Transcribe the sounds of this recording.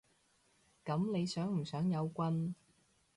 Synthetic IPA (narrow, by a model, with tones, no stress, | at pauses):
kɐ˨˥mne˨˧jsœː˨˥ŋm̩˨˩sœː˨˥ŋjɐ˨˧wkʷɐ˧n